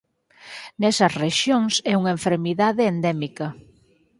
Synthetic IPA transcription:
nɛsɐsreʃjoŋsɛuŋɐeɱfeɾmiðaðeːnd̪ɛmikɐ

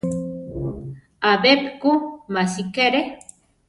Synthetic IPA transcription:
abepkumasikeɾe

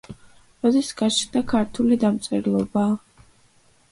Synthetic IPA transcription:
ɾɔd̪ɛsɡ̥at͡ʃnd̪akʰaɾt̪ʰulid̪amt̪sʼɛɾlˠɔbaː

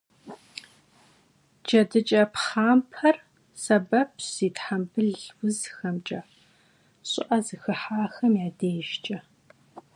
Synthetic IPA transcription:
d͡ʒɐdɨt͡ʃʼɐpχaːmpʰɐr | sɐbɐpʰsiːtħambɨɮwʊzxɐmt͡ʃʼɐ | ɕʼɪ̰ʔɐzɨxɨħaːxɐmjaːdeːʒt͡ʃʼɐ

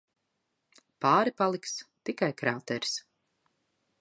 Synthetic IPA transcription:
paːɾipalˠikst̪ikajkɾaːt̪ɛɾs

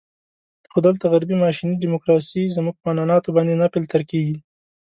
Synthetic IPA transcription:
xod̪əlt̪aɣaɾbimɑʃinidimʊkɾɑsizmuɡ̚pəmanɑnɑt̪obɑnd̪enapelt̪əɾkeɡi

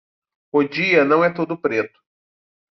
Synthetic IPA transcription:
od͡ʒiɐnɐ̃w̃ɛt̪od̪ʊpɾet̪ʊ̥

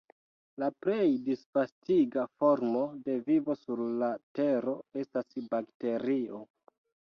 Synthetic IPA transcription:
lapɾe̞jdisfastiɡafo̞ɾmo̞de̞vivo̞suɾlate̞ɾo̞e̞stasbakte̞ɾio̞

